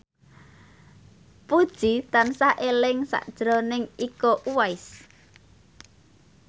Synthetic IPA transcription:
pud̥ʒ̥it̪ansaʔelɪŋsa̰ʔd̥ʒ̥ɾɔnɪŋikɔʔuwaɪs

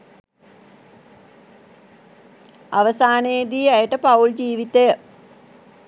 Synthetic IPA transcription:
aʋəsaːneːd̪iːajəʈəpauld͡ʑiːʋit̪ejə

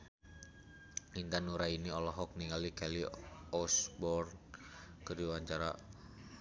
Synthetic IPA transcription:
int̪anuɾainiɔlɔɦɔk̚niŋalikɛliɔsbɔrnkəɾiwaɲt͡ʃaɾa̰

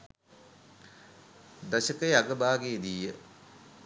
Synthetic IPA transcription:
d̪ɐɕəkəjaɡəbaːɡeːd̪iːjə

